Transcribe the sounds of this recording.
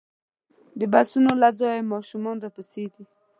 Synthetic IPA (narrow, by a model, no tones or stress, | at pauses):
d̪əbasunolazɑjemɑʃumɑnɾapəsed̪i